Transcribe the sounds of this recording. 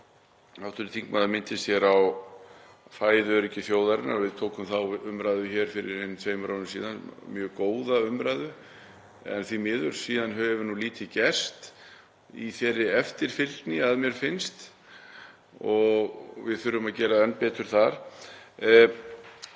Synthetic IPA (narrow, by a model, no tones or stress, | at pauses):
awt̪ʏɾɪθiŋkmaðamɪnt̪ɪstjɛɾaw | faːjðʏɾɛcɪθjoːwðaɾɪna̰ɾvɪðt̪ʰoːwkʏmθawʏmɾaːjðʏçɛːɾ̥fɪɾɪɾnt̪ʰveːjmɾoːnʏmsiːðanmjœːkoːwðaʏmɾajðʏ | ɛ̰nθvimɪːðʏɾ̥siːðanɦœvʏvʏnuliːt̪ɪcɛst̪ | iθɛːrːɪɛft̪ɪɾ̥fɪlt̪nɪaðmjɛɾ̥fɪnst̪ | ɔɣvɪðθʏɾːʏmaðcɛːɾaɛnːpɛːt̪ʏɾ̥θaɾ̥